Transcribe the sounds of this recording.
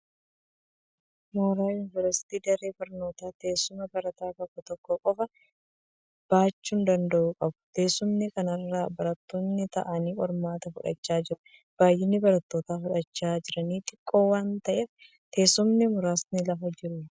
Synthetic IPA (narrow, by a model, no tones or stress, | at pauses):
moːɾaːjʊnɪvɛɾsɪ̥t̪iːd̪ɐɾeːbɐɾno̞ːt̪aːt̪e̞ːsːʊmɐbɐɾɐt̪aːt̪ɔkːɔt̪ɔkːɔkʼɔfɐ | b̥aːt͡ʃːuːnd̪ɐnd̪ɐʔuːkʼɐbʊ̥t̪e̞ːsʊmnɪkɐnɐrːaːbɐɾɐt̪ːoːnːɪt̪ɐ̰ʔɐniːʔɔɾmaːt̪ɐfʊᶑɐ̰t͡ʃːaːd͡ʒɪɾʊ | b̥aːjʔːɪnːɪbɐɾɐt̪ːo̞ːt̪aːfʊᶑɐt͡ʃːaːd͡ʒɪɾɐniːt̪ʼɪkʼːo̞ːwaːnt̪ɐʔeːf | t̪ʰe̞ːsːʊmnɪmʊɾaːsnɪlɐfɐd͡ʒɪɾʊ